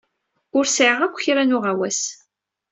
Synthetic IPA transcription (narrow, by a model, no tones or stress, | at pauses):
ʊɾsʕəʁækʷːçɾænʊʁæwæs